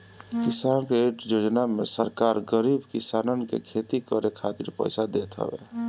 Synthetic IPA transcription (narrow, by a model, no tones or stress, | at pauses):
kɪsaːnkeeʈjoːd͡ʒnamesəɾkaːɾɡəɾiːbkɪsaːnənkḛkʰet̪ikəɾekʰat̪iɾpə̰jsad̪et̪ɦə̰bḛ